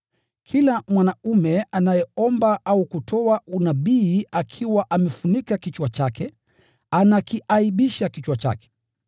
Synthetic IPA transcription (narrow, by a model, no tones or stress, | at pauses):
kʰilamwanaumɛanajɛɔmbaʔaukutʰɔaunaɓiːakʰiwaʔamɛfunikakit͡ʃwat͡ʃakɛ | anakiʔaiɓiʃakit͡ʃwat͡ʃa̰kɛ̥